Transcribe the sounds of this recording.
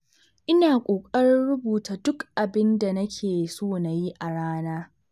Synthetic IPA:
ʔɪ˦naː˨kʷʼoː˨kʼɐ˦ɾɪ˦nɽʊ˦buː˨taː˨dʊ˦kʔa˨bɪ˦nda˨nɐ˦kʲʰeː˨soː˦na˨ji˦ʔa˨ɽaː˦naː˦

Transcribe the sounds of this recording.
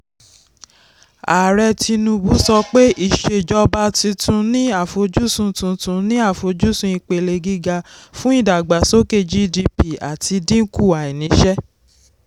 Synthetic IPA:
aː˨ɾɛ˧ti˧nũ˧bu˨˦sɔ˧k͡pe˦i˦˨ʃe˨d͡ʒɔ˧ba˧˦ti˧tũ˧nĩ˦a˦˨fo˨˦d͡ʒu˦sũ˧tũ˧tũ˧nĩ˦a˦˨fo˨˦d͡ʒu˦sũ˧i˧k͡pe˨˧˨le˧ɡi˦ɡa˧fũ˦i˦˨da˨ɡ͡ba˨so˦ke˦˨d͡ʒi˦di˧pi˨a̰˨ti˧dĩ˦ŋ̩˦ku˦˨a˨i˨nĩ˨˦ʃɛ˦

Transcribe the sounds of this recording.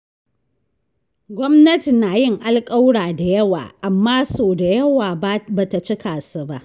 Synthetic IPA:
ɡʷɔ˦mnɐ˦ti˨naː˨jɪ˦˨ŋʔa˦lkʼa˦wɽaː˨da˨jɐ˦wa̰ː˨ʔa˨mːaː˦soː˨da˨jɐ˦waː˨˦ba˨ta˨t͡ʃɪ˦kaː˨su˨ba˦ʔ

